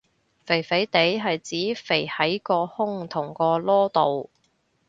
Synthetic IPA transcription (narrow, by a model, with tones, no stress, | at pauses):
fe˨˩jfe˨˥jt̪e˨˥jɦɐ˨jt͡siː˨˥fe˨˩jhɐ˨˥jkɔː˧hʊ˥ŋt̪ʰʊ˨˩ŋkɔː˧lɔː˥t̪o˨w